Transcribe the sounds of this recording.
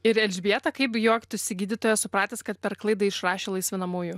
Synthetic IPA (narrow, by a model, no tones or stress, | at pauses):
ɪɾɛlʲd͡ʒʲbʲiɛt̪ɐkɐɪpjoɔkʲt̪ʊsʲɪɡʲiːd̪ʲɪt̪oːjɛsʊpɾɑːt̪ʲeskɐt̪̚pʲɛɾklˠɐɪd̪ɐɪʃrɑːʃʲeːlˠɐɪsʲʋʲɪnɐmuːjʊ